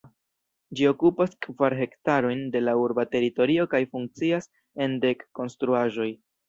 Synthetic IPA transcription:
d͡ʒio̞kupaskvaɾɦe̞ktaɾo̞jnde̞lauɾbate̞ɾito̞ɾio̞kajfuŋk̚t͡sias | e̞nde̞kːo̞nstɾuaʒo̞j

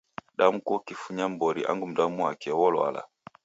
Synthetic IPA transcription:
ɗamukɔkifuɲam̩bɔɾiʔa̰ŋɡum̩damuakɛwɔlwa̰la̰

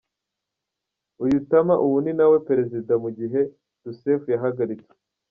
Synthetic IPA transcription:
ujutamaʔuwuninawe̞peɾe̞zidamuɟiɦe̞ | d̥usefujaɦaɡaɾit͡se̥

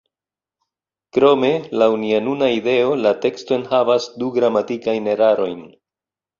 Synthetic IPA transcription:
kɾo̞me̞lawunianunaide̞o̞late̞ksto̞enhavasduɡɾamatikajne̞ɾaɾo̞jn

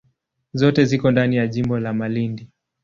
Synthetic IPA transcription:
zɔtɛzikɔndanijaʄimbɔlamalindi

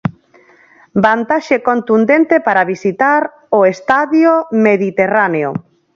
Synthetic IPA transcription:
bant̪aʃekont̪und̪ent̪epaɾaβisit̪aɾ | oest̪aðjomeðit̪eraneo

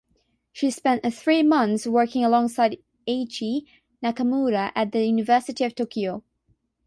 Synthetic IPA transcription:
ʃispɛ̃nʔθɹimʌ̃nθswɜ˞kɪ̃ŋəlɔ̃ŋsaɪɾ | et͡ʃi | nakəmuɾəʔɨt̪̚ðɨjʉnɨvɜˑ˞sɨɾiʌv̥tʰokʰioʊ

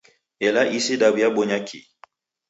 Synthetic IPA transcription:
ɛlaʔisedabiabɔɲakʰḭ

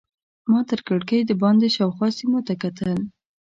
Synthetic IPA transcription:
mɑt̪əɾkəɽkəjd̪əbɑnd̪eʃawxwɑsimot̪akat̪əl

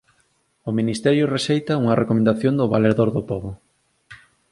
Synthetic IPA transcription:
ʊminist̪ɛɾjʊresejt̪ɐuŋɐrekomẽnd̪aθjond̪ʊβaleðoɾðʊpoβʊ

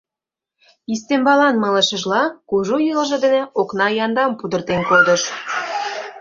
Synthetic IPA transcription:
ist̪embɑlɑnmɤ̆ləʃə̆ʒlɑkuʒojələʒɤ̆d̪enĕoknɑjɑnd̪ɑmpud̪ə̆rt̪enkod̪ə̆ʃ

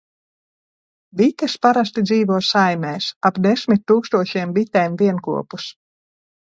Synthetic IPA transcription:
bʲit̪ʲɛspaɾas̬t̪id̪ziːvuɔsajmʲɛːsapd̪esʲmʲit̪ʲːuːkst̪uɔʃiɛmbit̪ʲɛːmviɛnkṵɔpus

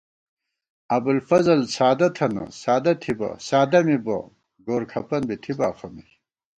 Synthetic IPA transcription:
ɐbulfɐzɐlsaːd̪ɐt̪ʰɐnɐ̰saːd̪ɐt̪ʰibɐ̰saːd̪ɐmibɐ̰ | ɡoːɾkʰɐpɐnbit̪ʰibaːχɐmi

